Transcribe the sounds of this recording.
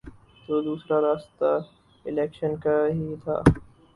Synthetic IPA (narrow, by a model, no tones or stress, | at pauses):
t̪oːd̪uːsɾaɾaːst̪a | ɪlɛːkʃənkaɦit̪ʰa̰ː